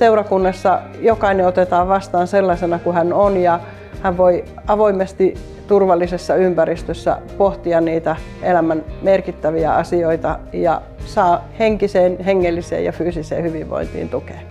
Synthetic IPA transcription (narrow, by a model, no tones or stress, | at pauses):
seurɑkunːɑsːɑ | jokɑineot̪et̪ɑːʋʋɑst̪ɑːnselːɑsenɑkuhænonjɑ | hæʋʋoi | ɑʋoimest̪i | t̪urʋɑlːisesːɑympæɾist̪øsːæ̰poht̪iɑnniːt̪æ | ʔelæmænmerkit̪ːæʋiæ̰ɑsioit̪ɑjɑ̰ | sɑːheŋkiseːnheŋːelːisḛːjɑ̰fyːsisḛːhyʋiʋʋo̰int̪ḭːnt̪uke̥ː